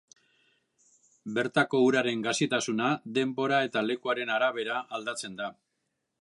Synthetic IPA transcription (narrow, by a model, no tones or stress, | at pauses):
be̞ɾt̪ako̞uɾaɾe̞ŋɡasit̪asunad̪e̞mbo̞ɾae̞t̪ale̞kuaɾe̞naɾaβ̞e̞ɾaːld̪at͡se̞nd̪a